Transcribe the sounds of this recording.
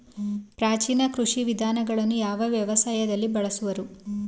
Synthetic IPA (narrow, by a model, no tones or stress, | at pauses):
pɾaːt͡ʃiːnɐkɾuʂiʋid̪ʱaːnɐɡɐɭɐnːujaːʋɐʋjɐʋɐsaːjɐd̪ɐlːibɐɭɐsuʋɐɾu